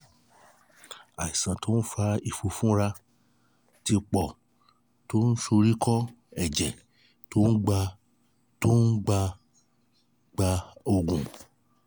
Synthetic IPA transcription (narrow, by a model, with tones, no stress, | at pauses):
a˨i˨sã˨to˦ñ̩˦fa˧i˨fo˧fũ˦ɾa˧ | ti˧k͡pɔ˨ | to˦n̩˦ʃo˧ɾi˦kɔ˦ | ɛ˨d͡ʒɛ˨ | to˦n̩˦ɡ͡ba˧ | to˦n̩˦ɡ͡ba˧ | ɡ͡ba˧o˧ɡũ˨